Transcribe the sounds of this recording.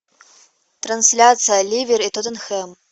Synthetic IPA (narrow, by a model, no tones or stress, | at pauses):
t̪ɾɐnsʲlʲat̪sɨjɐlʲivʲiɾit̪ɔt̪ɐnxɛm